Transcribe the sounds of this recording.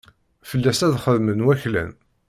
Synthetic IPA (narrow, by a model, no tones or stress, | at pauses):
fəlːæsæðχəðmənwæçlæ̰n